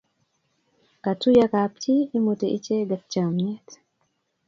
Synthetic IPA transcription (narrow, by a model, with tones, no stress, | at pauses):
ka˨tu˦ja˦ka˨p̚t͡ʃiː˦mo˨te˨ʔi˦t͡ʃe˦ɡa˨t͡ʃa˨mɲɛ˦t